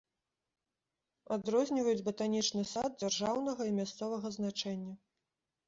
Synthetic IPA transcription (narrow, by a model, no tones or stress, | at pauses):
ad̪ɾɔzʲnʲivɐjud͡zʲbɐt̪anʲit͡ʂnɨsad̪̚d͡zʲarʐawnɐɣɐimʲast̪sɔvɐɣɐznat͡ʂɛnʲːɐ